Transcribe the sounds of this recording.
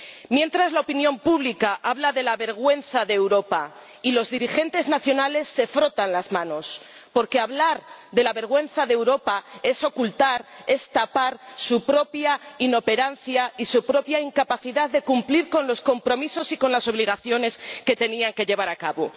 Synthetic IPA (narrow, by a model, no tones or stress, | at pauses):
mjẽ̞nt̪ɾazlaopinjõ̞mpuβlikaʔaβlaðe̞laβe̞ɾɣ̞we̞n̟θaðeːwɾo̞pa | ilo̞zðiɾixe̞nt̪e̞znaθjo̞nale̞sːe̞fɾo̞t̪anlazmãno̞spo̞ɾke̞aβlaɾðe̞laβe̞ɾɣ̞we̞n̟θaðewɾo̞pae̞so̞kult̪aɾe̞st̪apaɾsupɾo̞pjaino̞pe̞ɾan̟θjaisupɾo̞pjaiŋkapaθiðaððe̞kumpliɾko̞nlo̞sko̞mpɾo̞miso̞siko̞nlaso̞β̞liɣ̞aθjo̞ne̞ske̞t̪e̞niaŋke̞ʎe̞β̞aɾakaβo̞̰